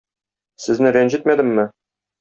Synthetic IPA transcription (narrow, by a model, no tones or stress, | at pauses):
sɘ̆znɘɾænʑit̪̚mæd̪ɘ̆mːɘ